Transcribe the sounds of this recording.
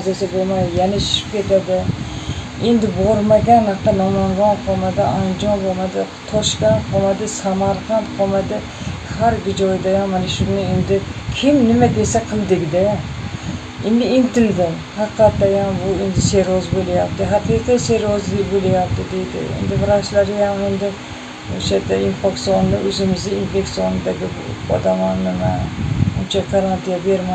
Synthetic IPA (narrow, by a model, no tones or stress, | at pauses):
zasabolˠmajd̪ɪjanaʃy̥ʃɪ̥p̚kʲʰet̪ad̪ɪ | end̪ɪboɾmaɡʲanhɑqt̪ɑnɑmɑɴʁɑnqʰomad̪ɪʔand͡ʒɒnbomad̪ɪ | t̪ʰɒʃkʲɑnqʰomad̪ɪsamɑɾqʰɑnt̪qʰomad̪ɪ | haɾɡʲɪd͡ʒɔjd̪ajamanaʃʊnɪend̪ɪkʲʰɪmnɪmad̪esaqʰɨlˠd̪ɪɡʲd̪ɪ | end̪ɪɪnt̪ɪld̪ɪm | hɑqːɑt̪ːajambʊend̪ɪseɾɒzbolɪjap̚t̪ɪɦat̪it̪aseɾɒzbolajap̚t̪ɪd̪ejd̪ɪ̰ḛnd̪ɪbɪɾaʃlaɾɪjamend̪ɪ | oʃat̪ːainfeksiond̪aɵzɪmɪzɪinfeksijonɪd̪aɡʲɪb̰ɒ̰d̪amɒnnɪmaʊnt͡ʃʰaɡaɾant̪ʰijabeɾma